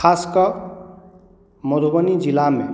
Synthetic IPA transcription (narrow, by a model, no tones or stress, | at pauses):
kʰaskʌ | mɔd̪ʱubʌnid͡ʒilamḛ